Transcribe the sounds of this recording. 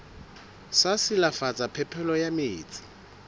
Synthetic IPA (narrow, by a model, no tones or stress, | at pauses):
sasɪlafat͡sʼapʰɛpʰɛlɔjameːt͡sʼɪ̥